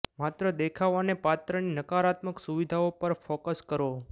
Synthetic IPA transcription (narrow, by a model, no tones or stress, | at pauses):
mat̪ɾəd̪ekʰaʋanepat̪ɾəninəkaɾat̪məksuʋid̪ʱaopəɾfokəskəɾo